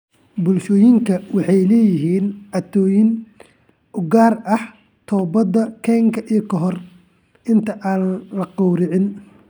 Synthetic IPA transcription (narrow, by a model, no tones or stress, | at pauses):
bʊlʃɔːjɪŋkʰɐwɑħɑjlɛːjɪɦiːnʕɐt̪ʰɔːjɪn | ʊɡaːrɐh | t̪ʰɔːbɐd̪ɐkʰɛːŋkʰɐʔijɔkʰɔɦɔr | ʔɪnt̪ʰɐʔaːnnlɐqɔwɾɪʕɪn